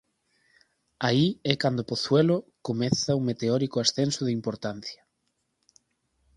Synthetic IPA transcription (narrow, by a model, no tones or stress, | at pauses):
aiɛkand̪opoθwɛlokomɛθɐumet̪eɔɾikoasθensʊðɪimpoɾt̪an̟θjɐ̥